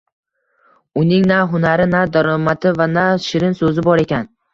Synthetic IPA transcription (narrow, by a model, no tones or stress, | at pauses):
ʊnɪŋnaɦʊnaɾɪnad̪aɾɒmat̪ʰɪvanaʃɪɾɪnsɵzɪbɒɾe̞kʲʰan